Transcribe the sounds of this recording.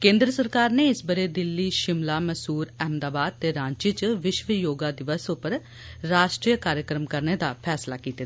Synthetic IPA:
kẽːnd̪ɾəsəɾkaːɾneːɪsbəɾeːd̪ɪlːiːʃɪmlaːməsuːɾɛːmd̪aːbaːd̪̚t̪eːɾãːɲt͡ʃit͡ʃʋɪʃʋəjoːɡaːd̪ɪʋəsʊpəɾ | ɾaːʃʈɾijəkaːɾjəkɾəmkəɾneːd̪aːpʰɛːslaːkiːt̪eː

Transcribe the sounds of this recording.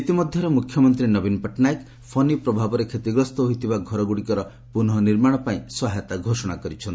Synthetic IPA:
it̪imɔd̪ʱjɔɾemukʰjɔmɔnt̪ɾinɔbinpeʈnajk | pʰɔnipɾɔbʱabɔɾekʰet̪iɡɾɔst̪ɔɦojt̪ʰibaɡʱɔɾɔɡuɽikɔɾɔ | punɦɔniɾmaɽ̃ɔpaĩswaɦet̪aɡʱosɔɽ̃akɔɾit͡ʃʰɔnt̪i

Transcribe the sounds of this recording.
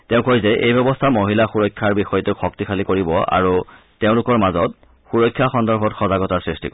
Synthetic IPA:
teʊ̃kojzɛʔejbɛbɔstʰamoɦilaxuɹɔjkʰːaɹbixɔjɔteʊxɔk̚tixʰalikoɹibɔa̰ɹu | teʊ̃lʊkɔɹmazɔt̚ | xuɹɔjkʰːjaxɔndɔɹbʱɔtxɔzaɡɔtaɹsɹistḭkɔ

